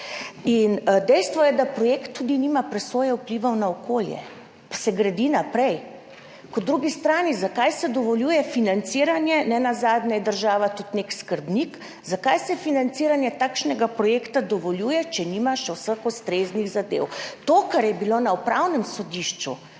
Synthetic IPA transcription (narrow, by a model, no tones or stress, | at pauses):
ind̪ɛjst̪ʋɔjɛd̪apɾɔjekt̪ːud̪inimapɾɛsoːjɛupliʋawnaɔkoːljɛ̰ | pasɛɡɾad̪inapɾɛj | kɔd̪ɾuɡist̪ɾaːnizakajsɛd̪ɔʋɔljuːjɛfinant̪siːɾanjɛnɛnazaːd̪nɛjɛd̪əɾʒaːʋat̪ut̪nekskəɾbnik | zakajsɛfinant̪siːɾanjɛt̪akʃnɛɡapɾɔjekt̪ad̪ɔʋɔljujɛt͡ʃɛnimaʃɛwsəxust̪ɾezniɣzad̪ḛwt̪okaɾjɛbilonaupɾawnɛmsɔd̪iʃt͡ʃṵ